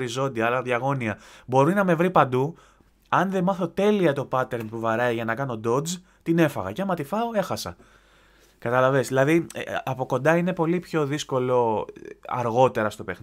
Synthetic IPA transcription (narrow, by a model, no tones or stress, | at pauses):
ɾizo̞nd̪iɐlɐðʝɐɣo̞niɐbo̞ɾinɐme̞vɾipɐnd̪u | ɐnðe̞mɐθo̞t̪e̞liɐt̪o̞pɐt̪e̞ɾmpuvɐɾɐiʝɐnɐkɐno̞d̪o̞d͡z | t̪ine̞fɐ̰ɣɐ̰cɐmɐt̪ifɐo̞e̞xɐsɐ̰ | kɐt̪ɐlɐvesðilɐðiɐpo̞ko̞nd̪ɐine̞po̞lipçoðisko̞lo̞ | ɐ̰ɾɣo̞t̪e̞ɾɐst̪o̞pe̞x